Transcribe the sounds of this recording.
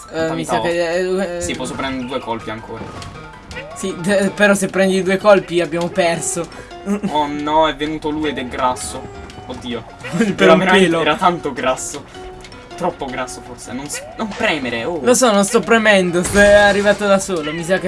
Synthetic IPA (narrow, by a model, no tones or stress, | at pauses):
misakesipːɔsːopɾɛnd̪eɾed̪uːekolpiaŋkʰoːɾa̰ | sipeɾɔsepːɾɛnd̪id̪uːekolpiabjaːmopɛrso | onɔɛvːenuːt̪oluːjed̪ɛɡɾasːood̪ːiːo | peɾɔveɾpeːloɛːɾat̪ant̪oɡɾasːo | t̪ɾɔpːoɡɾasːoforsḛnonsnompɾɛːmeɾeolosɔnonst̪ɔpːɾemɛnd̪ost̪ɔarːivaːt̪od̪asoːlomis̬ak̟e